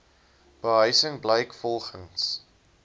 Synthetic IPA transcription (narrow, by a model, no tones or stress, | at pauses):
b̥əɦœɥsəŋbləjkfɔlˠχəŋs